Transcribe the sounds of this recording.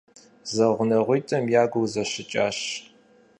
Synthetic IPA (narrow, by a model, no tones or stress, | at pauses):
zɐʁʷʊnɐʁʷiːtʼɐmjaːɡʷuwzɐɕɪt͡ʃʼaːɕ